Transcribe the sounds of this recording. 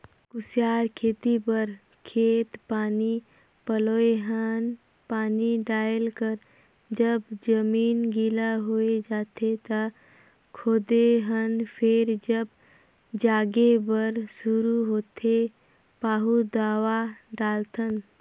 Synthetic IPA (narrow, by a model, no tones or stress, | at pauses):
kʊsjaːɾkʰeːt̪ipəɾ | kʰeːt̪paːni | pəloːeɦən | paːniɖaːjəlkəɾ | d͡ʒəbd͡ʒəmiːnɡilaɦoːed͡ʒaːt̪ʰet̪a | kʰoːd̪eɦənpʰeɾd͡ʒəb | d͡ʒaːɡebəɾsuɾuɦoːt̪ʰe | paːɦud̪aːwaɖaːlt̪ʰən